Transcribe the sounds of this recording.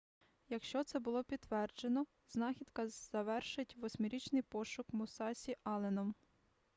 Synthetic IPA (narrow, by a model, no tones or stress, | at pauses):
jɐkʃt͡ʃɔt̪sɛbʊlˠɔpʲid̪ːʋɛrd͡ʒenɔ | z̥nɑxʲid̪kɐz̥ɐʋɛrʃɪtʲʋɔsʲmɪɾʲit͡ʃnɪjpɔʃʊkmʊsɑsʲiʔɑlˠenɔm